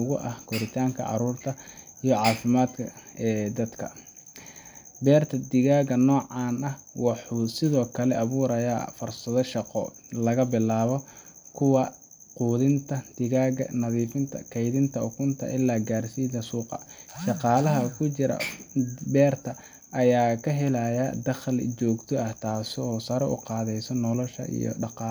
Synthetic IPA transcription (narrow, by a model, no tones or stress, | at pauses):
ʊɣʊʔɐhkʰɔɾɪt̪ʰaːŋkʰɐ̰ʕɑ̰ɾuːrt̪ʰɐ | ijɔʕɑːfɪmaːd̪kʰɐɛːd̪ɐd̪kʰɐ̰ | bɛːrt̪ʰɐd̪ɪɣaːɣɐnɔːʕɑːnɐhwɑħuːsɪðɔːkʰɐlɛʔɐβuːɾɐja̰ːfʊrsɐðɔʃɑqɔ̰ | lɐɣɐbɪlaːβɔ | kʰʊwɑ | quːðɪnt̪ʰɐd̪̥ɪɣaːɣɐnɐðiːfɪnt̪ʰɐ̰kʰɛjðɪnt̪ʰɐʊkʰʊnt̪ʰɐ̰ʔɪlːaːɡaːrsiːðɐsuːqɑ̰ʃɑqɑːlɐɦɐkʰʊt͡ʃɪɾɐ̰bɛːrt̪ʰɐ | ʔːjaːkʰɐɦɛlajad̪ɐχlt͡ʃɔːɡt̪ʰɔɐht̪ʰaːsɪɔːsɐɾɛʊ̰qɑːðɛjsɔnɔlɔʃɐ̰ʔḭjɔ̰ɖɑqɑː